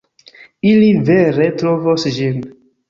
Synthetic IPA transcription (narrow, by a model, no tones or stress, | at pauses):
iliveɾetɾovosd͡ʒin